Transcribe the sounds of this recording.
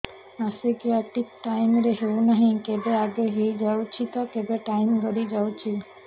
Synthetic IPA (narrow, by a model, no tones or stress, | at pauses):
asekeaʈikʈajmɾeɦewnaɦinkebeaɡeɦejd͡ʑawt͡ɕʰit̪okebeʈajmɡɔɾid͡ʑawt͡ɕʰil